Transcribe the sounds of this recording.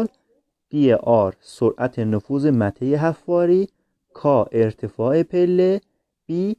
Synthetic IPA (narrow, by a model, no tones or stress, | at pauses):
l | d̪̥ieʔɒːɾsoɾʔæt̪ʰenofuːzemæt̪ʰejeɦæfːɒːɾiː | kʰɒːʔe̞ɾt̪ʰefɒːepʰelːe | b̥iː